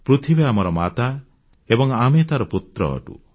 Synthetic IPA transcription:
pɾut̪ʰibeamɔɾɔmat̪a | ebɔŋamet̪aɾɔput̪ɾɔ̰ʈṵ

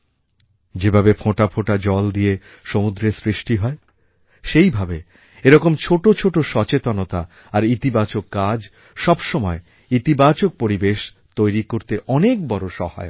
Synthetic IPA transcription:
d͡ʑebʱabefʰoʈapʰoʈad͡ʑɔld̪ie | ʃomud̪ɾesɾiʃʈiɦɔe | ʃejbʱabe | eɾɔkomt͡ɕʰoʈot͡ɕʰoʈoʃɔt͡ɕet̪onot̪a | aɾit̪ibat͡ɕokːad͡ʑ | ʃɔbʃɔmɔe | it̪ibat͡ɕok̚poɾibeʃ | t̪ojɾikoɾt̪eʔɔnek̚bɔɾoʃɔ̰ha̰e

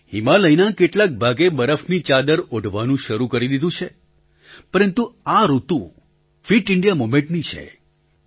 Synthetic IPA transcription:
himaləinakeʈlak̚bʱaɡebəɾəfnit͡ʃad̪əɾoɖʱʋanũʃəɾukəɾid̪id̪ũt͡ʃʰe | pəɾənt̪uaɾut̪ũ | fiʈɪɳɖijamomẽɳʈnit͡ʃʰḛ

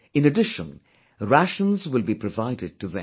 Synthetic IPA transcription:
ɨ̃nədɪʃə̰̃n | ɹæʃə̃nzwɪlˠbipʰɹəvaɪdɪd̚ʈɨðɨ̃

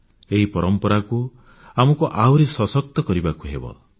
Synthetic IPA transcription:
eɦipɔɾɔmpɔɾaku | amɔkuʔawɾisɔsɔk̚t̪ɔkɔɾibakuɦebɔ̰

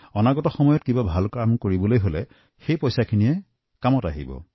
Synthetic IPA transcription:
ɔnaɡɔtɔxɔmɔjɔtkibabʱalkɹamkoɹibɔlojɦolɛ | xejpɔjsakʰinijɛ | kamɔta̰ɦḭbɔ̰

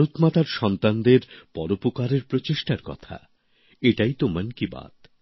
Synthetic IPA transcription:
ɾut̪mat̪aɾʃɔnt̪and̪eɾpɔɾopokaɾeɾpɾot͡ɕeʃʈaɾkɔ̰t̪ʰa̰ | eʈajt̪omənkiba̰t̪

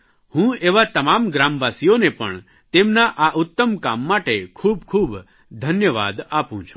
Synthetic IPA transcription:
hũeʋat̪ɐmaːmɡɾaːmʋaːsijonepə̰ɳ | t̪emnaʔaʔʊt̪ːəmkamːaʈekʰuːb̚kʰuːb | d̪ʱənjəʋa̰ːd̪apũt͡ʃʰu̥

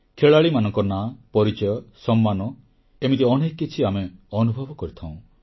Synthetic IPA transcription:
kʰeɭaɭimanɔŋkɔnapɔɾit͡ʃɔjɔsɔmːanɔ | emit̪̬iɔnekːit͡ʃʰiameɔnubʱɔbɔkɔɾit̪ʰãw̃

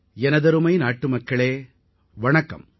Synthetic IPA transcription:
ɛnɐðɐɾɯmɐjnaːʈːɯmɐkːɐɭeː | ʋɐɳɐkːɐ̰m

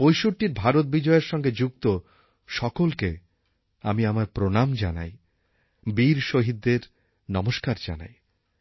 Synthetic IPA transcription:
pojʃoʈʈiɾbʱaɾot̪̚bid͡ʑɔeɾʃɔŋɡed͡ʑuk̚t̪o | ʃɔkolke | amiamaɾpɾonamd͡ʑa̰na̰j | biɾʃoɦid̪ːeɾ | nɔmoʃkaɾd͡ʑa̰na̰j

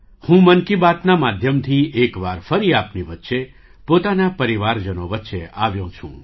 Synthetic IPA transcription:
hũmənkibat̪namad̪ʱjəmt̪ʰiʔekʋaɾfəɾiapniʋət̪ːʃe | pot̪anapəɾiʋaɾd͡ʒənoʋətːʃeʔaʋjũt͡ʃʰṵ̃

